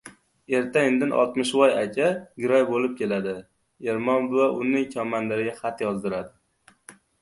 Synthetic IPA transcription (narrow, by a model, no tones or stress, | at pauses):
e̞ɾt̪ʰaend̪ɪnʔɒ̰lˠt̪mɪʃvɒjakʲʰaɡʲɪɾɒjbolɪp̚kʲe̞lad̪ɪ | e̞ɾmɒnvaʔʊnɪŋkʲʰɒmanlɪɾɪɡʲaχat̪jɒzd̪ɪɾad̪ɪ